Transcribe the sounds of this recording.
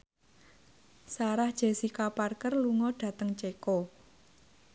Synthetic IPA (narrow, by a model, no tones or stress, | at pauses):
saɾahd̥ʒ̥e̤sikaparkərluŋɔɖ̥ä̤t̪əŋt͡ʃeko